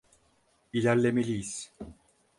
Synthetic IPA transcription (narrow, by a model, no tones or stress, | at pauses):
ilʲæɾlʲemelʲijiz̥